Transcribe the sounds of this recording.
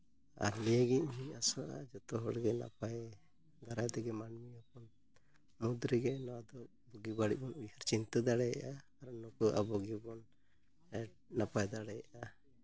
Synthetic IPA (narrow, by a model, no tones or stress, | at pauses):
a̰ɾlijəɡiʔɦiasɔ̃ʔad͡ʒɔt̪ɔɦɔɽɡɛna̰paj | ɡaɾajt̪ɛɡɛmanmiɔpɔn | mud̪ɾiɡɛnɔwad̪ɔ | bɔɡibaɽiʔ̚bɔnujhaɾt͡ʃint̪ad̪aɽɛjaʔaː | ɾnɔkɔʔa̰bɔɡibɔn | napajd̪aɽɛjaʔa